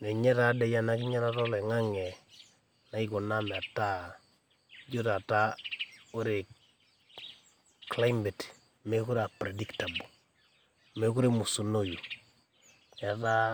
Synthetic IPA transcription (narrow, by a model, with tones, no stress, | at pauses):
ne˨ɲɛ˦ta˨˦dɛ˦ja˦na˨˦kɪ˦ɲa˦ɾa˦tɔ˦lɛ˨ŋa˦ŋɛ˨ | na˨ɪ˦ku˨na˦mɛ˨a˨ta˦ | d͡ʒo˦ta˨ta˦u˦ɾe˨ | kla˦jmɛ˨t | me˦ku˦ɾa˨pɾe˨di˦kta˨bu˨ | me˦ku˦ɾe˦mu˨su˨no˦ju˨ | a˨ta˦